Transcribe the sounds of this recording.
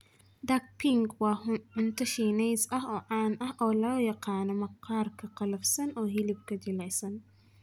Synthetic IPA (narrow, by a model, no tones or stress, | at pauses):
d̪ɐɡ̚pʰɪŋɡwɑːʕʊnt̪ʰɐʃiːnɛjsɐɦɔːʕɑːnʔɐhʔɔːlɔːjɑqɑːnɐmɐqʰɑːrkʰɐqɑlɐfsɐnɔːɦɪlɪb̚kʰɐd͡ʒɪlɛjsɐn